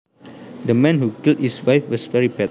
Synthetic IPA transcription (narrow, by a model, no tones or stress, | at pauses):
dəmɛ̃nhukilt̚hiswajfwɔsvɛɹipɛt